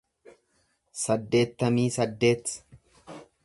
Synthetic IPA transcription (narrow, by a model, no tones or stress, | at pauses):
sɐd̪ːe̞ːt̪ːɐmiːsɐd̪ːe̞ːt̪ː